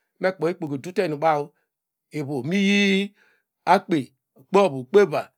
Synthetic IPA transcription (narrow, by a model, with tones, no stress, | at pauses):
na˦˨k͡po˨i˦k͡po˨ɡe˨du˦te˦˨nu˨ɓa˦wu˦ | e˨βo˨mi˦ji˦ | a˦k͡pe˨ | k͡po˦˨bu˨k͡pe˦ba˨